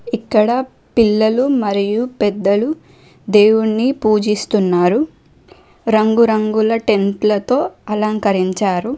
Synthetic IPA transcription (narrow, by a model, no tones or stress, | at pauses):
ikːɐɽɐ | pilːɐlumɐɾijupɛd̪ːɐlu | d̪e̞ːwuɳːipuːd͡ʒist̪unːaːɾu | ɾɐŋɡuɾɐŋɡulɐʈe̞nʈlɐt̪o̞ːɐlɐŋkɐɾiɲt͡ʃaːɾu